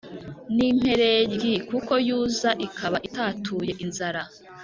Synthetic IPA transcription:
nim̥he̞ɾe̞ɾɡikuko̞juːzaʔikʰaβaʔitaːtʰuːje̞ʔinzaɾa

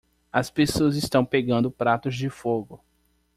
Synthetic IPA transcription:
ɐspesoɐzɪst̪ɐ̃w̃peɡɐ̃nd̪ʊpɾat̪ʊzd͡ʒɪfoɡʊ

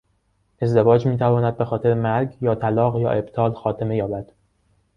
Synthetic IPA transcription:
e̞zd̪e̞vɒːd͡ʒmiːt̪ʰævɒːnæd̪̚be̞xɒːt̪ʰeɾemæɾɡjɒːt̪ʰælɒːɣjɒ̰ːʔe̞b̥t̪ʰɒːlxɒːt̪ʰeme̞jɒːbæd̪̥

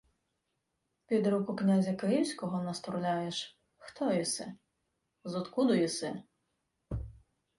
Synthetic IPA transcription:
pʲid̪ɾukʊknʲazʲɐkɪjiwsʲkɔɦɔnɐst̪ɾʊlʲajeʃ | xt̪ɔjisɪ̰ | zɔt̪kud̪ʊjisɪ

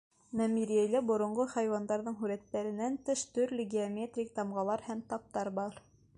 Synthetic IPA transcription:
næmiɾiæjlæbŏɾŏɴɢoχɑjwɑnd̪ɑɾðɤɴɦʉɾæt̪ːæɾɘ̆nænt̪ɘʃt̪ɵɾlɘ̆ɡʲiomʲet̪rʲik̚t̪ɑmʁɑlˠɑɾhæmt̪ɑp̚t̪ɑɾbɑɾ

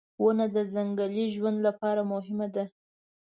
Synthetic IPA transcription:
wənad̪əzaŋɡaliʒwand̪lapɑɾamʊɦɪmad̪a

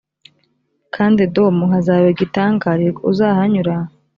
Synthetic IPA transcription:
kʰaːndidomuhazaβeɡitaːŋɡaɾiuzahaɲuɾa

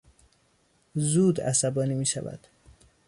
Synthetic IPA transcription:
zuːd̪æ̰sæbɒːniːmiːʃævæ̰d̪̥

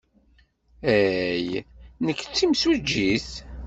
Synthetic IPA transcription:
æjnəkːt͡sːimswæd͡ʒːiθ

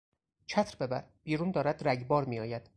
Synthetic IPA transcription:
t͡ʃʰæt̪ʰɾbe̞bæ̰ɾb̥iːɾuːnd̪ɒːɾæd̪ɾæɟbɒːɾmiːjɒːjæd̪̥

